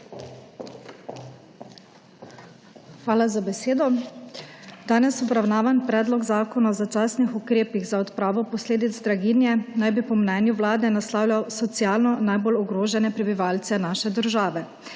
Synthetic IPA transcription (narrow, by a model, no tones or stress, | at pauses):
xʋaːlazabɛseːd̪ɔ | d̪aːnɛsɔbɾawnaːʋanpɾɛːd̪lɔɡzaːkɔnaɔzat͡ʃaːsnixukɾeːpiɣzaɔt̪pɾaːʋɔpɔsleːd̪id̪zd̪ɾaɡinjɛnajbipɔmnɛːnjuʋlaːd̪nɛnaslaːwlʲjawsɔt̪sijaːlnɔnajbolɔɡɾoːʒɛnɛpɾɛbiʋaːlt̪sɛnaːʃɛd̪əɾʒaːʋɛ